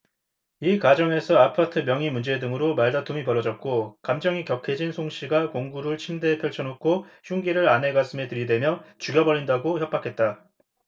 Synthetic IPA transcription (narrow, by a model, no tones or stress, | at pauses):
ikwad͡ʑʌŋe̞sʰʌapʰatʰɯmjʌŋimund͡ʑe̞dɯŋɯɾomaɭdatʰumipʌɾʌd͡ʑʌt̚k͈okamd͡ʑʌŋikjʌkʰe̞d͡ʑinsʰoŋɕ͈ʰiɡakoŋɡuɾɯɭt͡ɕʰimde̞pʰjʌɭt͡ɕʰʌnokʰoɕʰuŋɡiɾɯɾanɦe̞ɡas͈ʰɯme̞tɯɾidwe̞mjʌt͡ɕuɡjʌbʌɾindaɡoçjʌp͈akʰe̞t̚t͈a